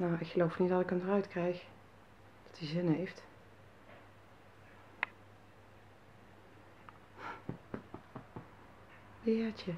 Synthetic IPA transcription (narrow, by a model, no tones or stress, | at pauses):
nowɪkχəlowfnit̚dɑtɪkəmdərœɥtkrɛjx | d̥ɑtizɪnɦejft | bɪːɹt͡ʃə